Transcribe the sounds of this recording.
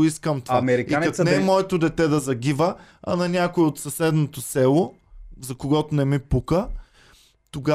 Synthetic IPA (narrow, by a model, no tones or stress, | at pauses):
iskəmt̪amɛɾikianɐknɛːmɔɛt̪od̪ɛt̪ɛd̪ɐzɐɡʲivəɐ̰nɐnʲakoiot̪sɐsɛd̪not̪osɛlˠʊ | zɐkoɡɔt̪onɛmipukə | t̪oɡa